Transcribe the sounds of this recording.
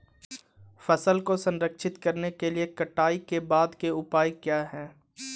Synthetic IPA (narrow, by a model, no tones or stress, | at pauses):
fɐsəlkosɐ̃nɾəkʃɪt̪kɐɾnekeliekɐʈaːikebaːd̪keʊpaːjkjaːɦɛ̃ː